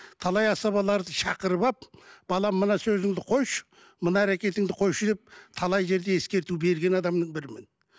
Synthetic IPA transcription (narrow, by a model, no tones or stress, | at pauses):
t̪ʰɑlˠɑjɑsɑβɑlˠɑɾd̪əʃɑqəɾəbɑp̚b̥ɑlˠɑmːənɑsɵzɪŋd̪ɪqʰo̞jʃə̥ | mənɑæɾekʲe̞t̪ɪŋd̪ɪqʰo̞jʃəd̪e̞p̚t̪ʰɑlˠɑjʒe̞ɾd̪e̞e̞skʲe̞ɾt̪ube̞ɾɡʲe̞nɑd̪ɑmnəɴbɪɾɪmɪn